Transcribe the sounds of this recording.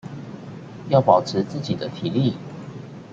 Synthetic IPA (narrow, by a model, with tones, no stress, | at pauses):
jɑ˥˩ʊpɑ˨˩ʊʈ͡ʂʰɻ̩˧˦t͡sɹ̩˥˨t͡ɕi˨˩d̪ə˦t̪ʰi˨˩˦li˥˨